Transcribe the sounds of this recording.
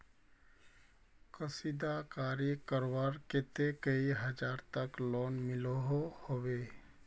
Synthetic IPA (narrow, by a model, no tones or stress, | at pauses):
kəsid̪akaːɾikəɾwaɾket̪ekəiɦəd͡ʒaːɾt̪əklɔːnmɪloɦohowe